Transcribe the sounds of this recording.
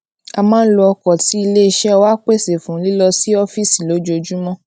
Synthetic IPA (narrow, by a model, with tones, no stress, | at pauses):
a˧mãː˦n̩˦lo˧ɔ˧kɔ˨ti˨˦i˧le˦i˧ʃɛ˦ɔ˧wa˦k͡pe˦˨se˨fũ˨˦li˦lɔ˧si˦ɔ˦fi˦˨si˨lo˨˦d͡ʒo˧d͡ʒu˦mɔ̃˦